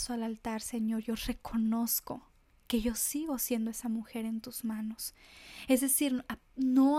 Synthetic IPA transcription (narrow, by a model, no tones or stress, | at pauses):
soalalt̪aɾse̞ɲo̞ɾʝore̞kʰo̞no̞sko̞̰ | ke̞ʝo̞siɣo̞sje̞nd̪oe̞samuxe̞ɾe̞nt̪uz̥mãno̞sezðe̞siɾano